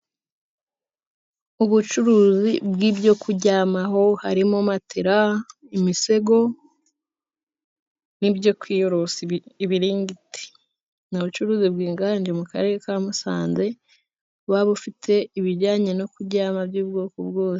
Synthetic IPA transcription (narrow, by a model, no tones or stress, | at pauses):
uβut͡ʃuɾuːzibɡiːbɟo̞kuɟaːmaɦo̞haɾimomatʰeɾa | imise̞ɡo̞ | nibjo̞kwiːjoɾosiiβiɾiːŋɡiti̥ | nuβut͡ʃuɾuːzibɡiːŋɡaaɲd͡ʒemukaɾe̞ːɾekamusa̰ːnze̞ | βaβufitʰe̞iβiɾɟaːɲeno̞kuɟaːmabjuːbɡoːkobɡo̞ːse̥